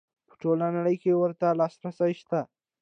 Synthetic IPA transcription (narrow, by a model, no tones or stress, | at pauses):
pʰu̥ʈʰolanəɽəjkeʋəɾt̪alasɾasaiɕt̪a